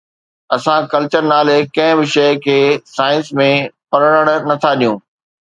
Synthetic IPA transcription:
ɐsãkɐlt͡ɕəɾnaːlekɐ̃ɦɪ̃bɪʃɐɪkʰeːsaːɪnsmẽpɐɾəɽ̃əɽ̃nɐt̪ʰaɗijũː

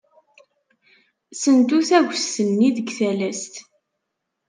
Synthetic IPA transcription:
sənt̪uθæʝəsːənːiðəɡθælæst̪

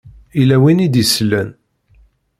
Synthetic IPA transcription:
ilæwinid̪islːæn

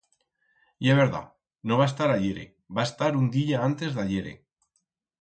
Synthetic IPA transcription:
jeβeɾða̰ | noβ̞aest̪aɾaʎeɾḛ | baest̪aɾund̪iʎaant̪e̞zðaʎeɾḛ

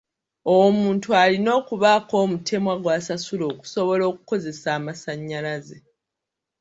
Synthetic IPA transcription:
owomuːntualino̞ːkuβaːko̞ːmutʰe̞mwaɡwaːsasulo̞ːku̥so̞βo̞lo̞ːku̥ko̞ze̞saːmasaɲːalaze

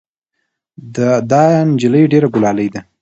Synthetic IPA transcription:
d̪əd̪ɑjnd͡ʒɪləjɖeɾaɡʊlɑləjd̪a

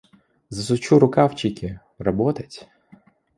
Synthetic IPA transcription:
zɐsʊt͡ʃuɾʊkawt͡ʃikʲɪ | ɾɔbɔt̪ɐtʲ

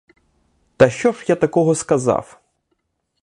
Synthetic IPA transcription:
t̪ɐʃt͡ʃɔʒjat̪ɐkɔɦɔskɐzɑ̰w

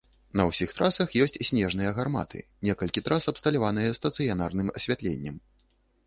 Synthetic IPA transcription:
nɐwsʲixt̪ɾasɐxjɔsʲt͡sʲsʲnʲɛʐnɨjɐɣarma̰t̪ʰɨ̰nʲɛkɐlʲkʲit̪ɾʔasɐpst̪ɐlʲavanɨjɐst̪ɐt̪sɨjanarnɨmɐsʲvʲat̪lʲḛnʲːɛm

